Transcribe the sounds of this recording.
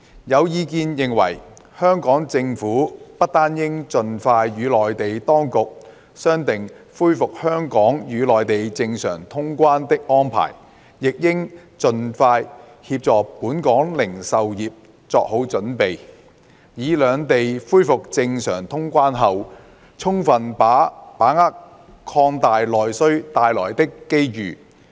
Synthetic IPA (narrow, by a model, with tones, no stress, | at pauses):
jɐ˨˧wjiː˨˧k̬iː˧njɪ˨ŋwɐ̰˨˩j | hœː˥ŋkɔː˨˥ŋt͡sɪ˧ŋfuː˨˥pɐ˥t̚t̪aː˥njɪ˥ŋt͡sɵ˨nfaː˧jɥyː˨˧lɔː˨jt̪e˨jt̪ɔː˥ŋkʊ˨k̚ | sœː˥ŋt̪ɪ˨ŋ | fuː˥jfʊ˨k̚hœː˥ŋkɔː˨˥ŋjyː˨˧lɔː˨jt̪e˨jt͡sɪ˧ŋsœ̰ː˨˩ŋt̪ʰʊ˥ŋkʷaː˥nt̪ɪ˥k̚ʔɔː˥npʰa̰ː˨˩j | jɪ˨k̚jɪ˥ŋt͡ʃɵ˨nfaː˧j | hiː˧p̚t͡sɔː˨k̚puː˨˥nkɔː˨˥ŋlɪ˨˩ŋsɐ˨wjiː˨p̚ | t͡sɔː˧k̚ɦo˨˥wt͡sɵ˨˥npe˨j | jiː˨˧lœː˨˧ŋt̪e˨jfuː˥jfʊ˨k̚t͡sɪ˧ŋsœ̰ː˨˩ŋt̪ʰʊ˥ŋkʷaː˥nɦɐ˨w | t͡sʰʊ˥ŋfɐ˨npaː˨˥paː˨˥ŋa˥k̚ | kʰɔː˧ŋt̪aː˨jlɔː˨jsɵ˥ɥt̪aː˨jlɔ̰ː˨˩jt̪ɪ˥kːe˥jjyː˨˩